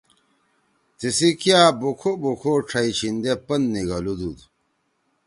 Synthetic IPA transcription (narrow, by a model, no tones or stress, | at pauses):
t̪isikijabukʰobukʰoʈ͡ʂʰɐit͡ɕʰind̪epɐnːiɡɐlud̪ud̪